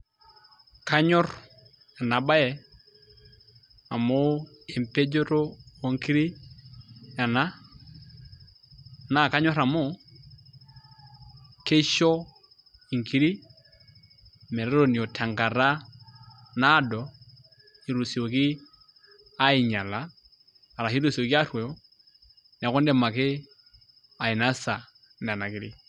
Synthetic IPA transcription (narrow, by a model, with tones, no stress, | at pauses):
ka˦ɲɔ˦ɾ | a˨na˨ba˦ɛ˨ | a˨mo˦ | e˨mpe˦d͡ʒo˦ɾo˦o˨ŋki˦ɾi˦ | a˨na˦ | na˨ka˦ɲɔ˦ɾa˨mo˦˨ | ke˦ʃɔ˦ | i˨ŋ˨ki˦ɾi˦ | mɛ˨ɾɛ˦ɾo˦˨ni˨o˨tʰa˨ŋɡa˨ɾa˦ | na˦dɔ˨ | i˨ɾu˨si˨o˨ki˦ | a˦i˨ɲa˨laː˦˨ | ɾa˨ɦi˦ɾu˦˨si˨o˨ki˦a˦ɾwɛ˨ɔ˦ | n˨a˨kɔ˦ndɛ˦˨ma˨ke˦ | a˨i˨na˦sa˨ | n˨a˨na˨ki˦ɾi˦